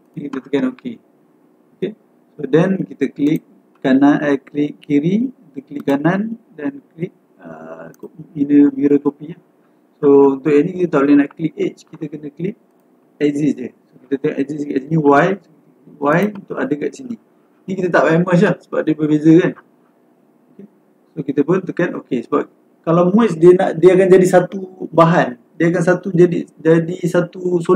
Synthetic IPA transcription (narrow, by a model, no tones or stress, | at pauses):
nikit̪ət̪əkanokʰe | oke | sodɛnkit̪əklik̚ | kanaklɪk̚kiɾiut̪uʔkːəliʔk̚kːanandanklik̚ | ə̰kominəmiɾokopilah | sount̪ʊʔjaʔnĩkit̪ət̪aʔlinaʔklik̚et͡ʃkit̪əkənə̃klik̚ | ɛkzisd͡ʒəsokit̪ət̪əŋaʔɛk̚ziska̰ʔsiniwajso | wajunt̪ʊʔadəka̰ʔsini | nĩkit̪ət̪aʔpaməs̬lahsə̥ba̰p̚diəbəbezəkan | oke | sokit̪əpʊnt̪ukano̰kesəbap̚ | kalawmuɛsdiəna̰ʔdiəakand͡ʒadisat̪ubaɦan | diəak̬ans̬at̪ud͡ʒadid͡ʒadisat̪uso